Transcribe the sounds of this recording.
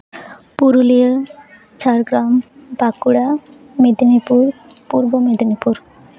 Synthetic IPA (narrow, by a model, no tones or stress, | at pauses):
puɾulijə | t͡ɕaɾɡɾambakuɽa | med̪nipuɾ | puɾbomed̪nipuɾ